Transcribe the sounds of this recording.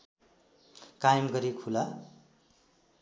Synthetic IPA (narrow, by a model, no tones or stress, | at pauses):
kajmɡʌɾikʰula